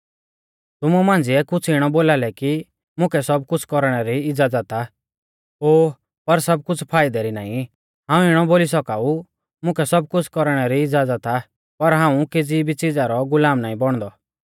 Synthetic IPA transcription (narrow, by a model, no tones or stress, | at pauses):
t̪ʊmumãːnd͡zɪɛkʊt͡sʰɪɽ̃ɔboːlalɛki | mʊ̃kʰɛsɔb̚kʊt͡sʰkɔɾɽ̃ɛɾiɪd͡zad͡zat̪a | ɦoː | pɐɾsɐb̚kʊt͡sʰpʰaːɪd̪ɛɾina̰ːĩ | ɦãːũɪɽ̃ɔboːlisɔkaːu | mʊ̃kʰɛsɔb̚kʊt͡sʰkɔɾɽ̃ɛɾiɪd͡zaːd͡zat̪a | pɐɾɦãːũked͡zibit͡sɪd͡zaɾɔɡʊlaːmnaːĩbɔɽ̃d̪ɔ